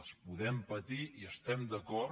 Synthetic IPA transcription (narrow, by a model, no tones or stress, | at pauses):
spuðɛmpət̪iiəst̪ɛmd̪əkɔ